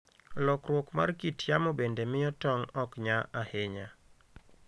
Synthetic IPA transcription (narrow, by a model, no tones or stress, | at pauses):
lɔkɾwɔkma̰rkitʰjamobendemɪjɔtɔŋɔkɲaʔaheɲa